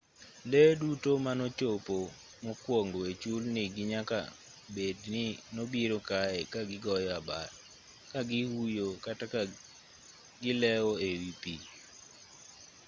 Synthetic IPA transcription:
ledutomanot͡ʃopo | mokwoŋɡoet͡ʃulnɪɡɪɲaka̰ | bednɪnobiɾokaɛkaɡɪɡɔjɔaba̰ɾ | kaɡɪwujokata | ɡɪlɛwoewipi

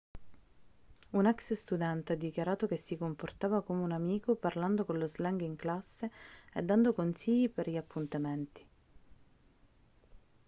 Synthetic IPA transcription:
unɛksst̪ud̪ɛnt̪ead̪ːikjaɾaːt̪ok̟esːikomport̪aːvakomeunamiːkoparland̪okonlozlaŋɡiŋklasːeed̪ːand̪okonsiʎːipeɾʎiapʰːunt̪ament̪i̥

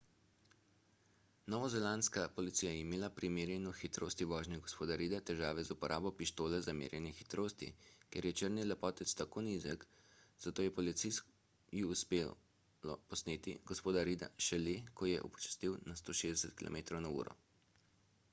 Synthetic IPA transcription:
nɔːʋɔzɛlanskapɔlit̪siːjajɛimeːlapɾimeːɾjɛnɔxit̪ɾo̰ːst̪iʋɔːʒnɛɡɔspoːd̪aɾiːd̪at̪ɛʒaːʋɛzupɔɾʔaːbɔpiʃt̪oːlɛzamḛːɾjɛnɛxit̪ɾoːst̪ḭkeɾjɛt͡ʃəɾnilɛpɔːt̪ɛt̪st̪akoːniːzɛk | z̥at̪oːjɛpɔlit̪sis | jiuspe | lɔpɔsneːt̪iɡɔspoːd̪aɾiːd̪a̰ʃɛlekɔjɛ̰ʔṵpɔ̥t͡ʃḁst̪iwnast̪oːʃeːzd̪ɛsɛt̪kilo̰meːt̪ɾownaṵːɾɔ̰

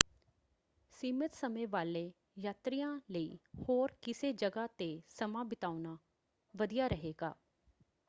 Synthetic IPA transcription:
siːmɪt̪səmẽːʋaːleː | jaːt̪ɾijãːləiːhoːɾkɪseːd͡ʒəɡaːt̪esəmãːbɪt̪aːunaː | ʋəd̪ijaːɾəɦeːɡa̰ː

